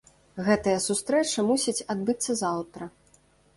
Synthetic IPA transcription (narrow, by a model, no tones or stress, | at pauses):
ɣɛt̪ɐjɐsust̪ɾɛt͡ʂɐmusʲit͡sʲad̪̚bɨt̪sːɐzawt̪ɾɐ